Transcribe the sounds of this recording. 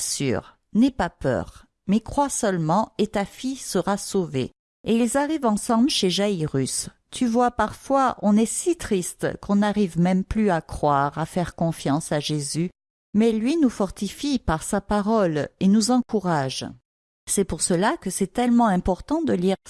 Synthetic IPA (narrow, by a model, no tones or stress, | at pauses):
sy̰ʁ | nɛpapœ̰ʁ | mɛkχwasœlmɑ̃et̪afisəʁasovḛ | eilzaʁivɑ̃sɑ̃blʃeʒaiʁys | t̪ʰyvwapaʁfwaʔɔ̃nɛsit̪χist̪kʰɔ̃naʁivmɛmplyakχwaʁafɛʁkɔ̃fjɑ̃saʒezy | mɛlɥinufɔʁt̪ifipaʁsapaʁɔlenuzɑ̃kuʁaʒ | sɛpuʁsəlakəsɛt̪ɛlmɑ̃ɛ̃pɔʁt̪ɑ̃d̪əliʁ